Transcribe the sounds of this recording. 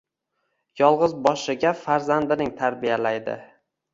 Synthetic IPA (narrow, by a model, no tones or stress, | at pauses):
jɒlˠʁɨzbɒʃɪɡʲafaɾzand̪ɪnɪŋt̪ʰaɾbijalajd̪ɪ̰